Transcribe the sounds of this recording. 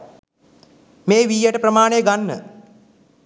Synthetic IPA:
meːʋijjəʈəprəmaːnejəɡanːə̰

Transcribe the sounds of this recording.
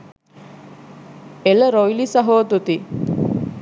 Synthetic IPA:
eləɾojlisɐɦoːt̪ut̪i

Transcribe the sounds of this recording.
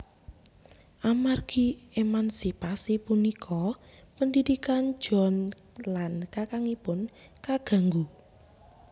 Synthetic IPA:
ʔamarɡ̥iemansipasipunikʰɔpəndidikan̥ʒ̥ɔ̤nlankakaŋipʊn | kaɡ̥a̤ŋɡu

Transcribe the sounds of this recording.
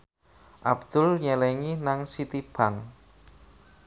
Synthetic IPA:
ʔa̰bd̪̥ʊlɲɛlɛŋinaŋsit̪ib̥aŋ

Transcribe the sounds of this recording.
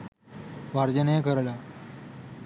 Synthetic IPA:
ʋaɾd͡ʑənekəɾla

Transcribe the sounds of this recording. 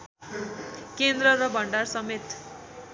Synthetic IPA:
kend̪ɾʌrʌbʱʌɳɖarsʌmet̪

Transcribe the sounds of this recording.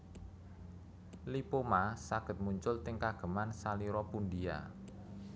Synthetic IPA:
lipomasaɡ̥ə̤t̪̚muɲt͡ʃʊlt̪ɪŋkaɡ̥ə̤mansaliɾɔpund̪ia̰

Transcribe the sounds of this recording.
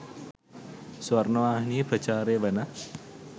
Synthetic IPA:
swɐɾnoʋaːɦnipɾɐt͡ʃaːɾeːʋɐnɐ

